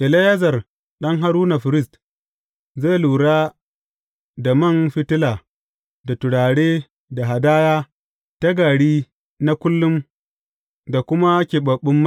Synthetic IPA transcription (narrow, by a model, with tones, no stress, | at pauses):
ʔɪ˨la˦ja˦zɐ˨r | ɗɐ˦ŋɦa˨ɾuː˦na˨ɸɪ˨ɾɪ˦st | ze˦˨luː˨ɽaː˦ | da˨mɐ˦˨nɸɪ˦tɪ˦laː˨ | da˨tʊ˨ɽaː˨ɽeː˦ | da˨ɦa˨daː˦jaː˦ | ta˦ɡaː˨ɽiː˦ | na˦kʷʊ˦lːʊ˦m | da˨kʷʊ˦ma˦kʲeː˨ɓɐ˨ɓːʊ˦mːa˦